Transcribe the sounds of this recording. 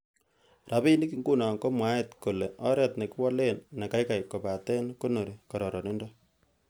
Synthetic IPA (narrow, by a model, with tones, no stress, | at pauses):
ra˨pi˦ni˦ki˦ŋɡu˦na˨ŋko˦mwa˦etko˨le˨ʔɔ˦ɾɛ˦tne˨ki˦wɔ˦le˦nna˨ka˦jka˨jko˨pa˨tɛ˦nko˦no˨ɾi˨kɔ˨ɾɔ˨ɾɔ˨ni˦ndɔ